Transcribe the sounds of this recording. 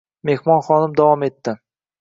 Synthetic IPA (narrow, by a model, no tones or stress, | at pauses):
me̞hmɒnχɒnɪmd̪avɒme̞t̪ːɪ